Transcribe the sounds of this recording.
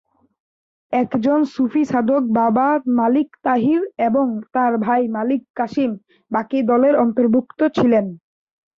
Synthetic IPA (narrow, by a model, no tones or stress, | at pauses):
ɛkd͡ʑonsufiʃad̪ʱok̚babamalikt̪aɦiɾeboŋt̪aɾbʱajmalikːaʃim | bakid̪ɔleɾɔnt̪oɾbʱukt̪ot͡ɕʰilen